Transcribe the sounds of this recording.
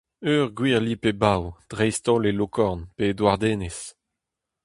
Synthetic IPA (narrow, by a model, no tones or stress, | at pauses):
øːʁɡwiːʁlipebawd̪̥ʁɛjst̪ɔ̃lelokʰɔʁnped̪waʁd̪eːnes